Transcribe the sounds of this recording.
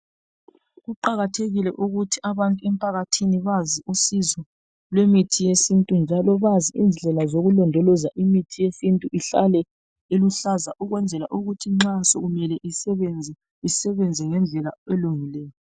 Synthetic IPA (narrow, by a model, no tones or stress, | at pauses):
ɣuǃaɣatʰeɣilɛʔuɣutʰiʔaβantʼuɛmpʼʰaɣatʰiniβaziʔusizɔ | lwemitʰijesintʼund͡ʒʱalɔβaziind͡ɮʱɛlazoɣulɔndʱɔlɔzaʔimitʰijesintʼuʔiɬa̰lɛ | eluɬazaʔuɣwɛnd͡zʱɛla̰ʔuɣutʰiŋ͡ǁasɔ̰ɣumɛlɛʔiɛɛnd͡zʱɛ | isɛβɛnd͡zʱɛŋɛnd͡ɮʱɛla̰ɛluŋilɛːjɔ